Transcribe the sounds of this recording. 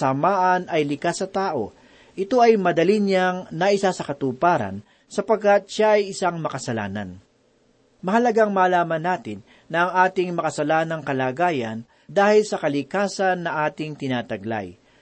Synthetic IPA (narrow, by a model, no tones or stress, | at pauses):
ɐmaːʔɐnɐjlɪkasɐt̪aːʔo̞̰ | ʔɪt̪o̞ʔɐjmɐd̪ɐlinjaŋnɐʔɪsasɐkɐt̪upaːɾɐ̰n | sɐpɐɡ̚kːat̪̚ʃaʔɐjɪsaŋmɐkɐsɐla̰ːnɐ̰n | mɐhɐlɐɡaŋmaːlaːmɐnːaːt̪ɪnːɐʔɐŋʔaːt̪ɪŋmɐkɐsɐlaːnɐŋkɐlaːɡaːjɐn | d̪aːhɪlsɐkɐlɪkaːsɐnːɐʔaːt̪ɪŋt̪ɪnaːt̪ɐɡla̰j